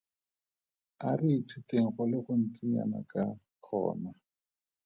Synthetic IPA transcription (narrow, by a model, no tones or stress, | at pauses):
ariːtʰuteŋ̩χʊlɪχʊn̩t͡siɲa̰na̰ka | k͡xʰɔ̰ːna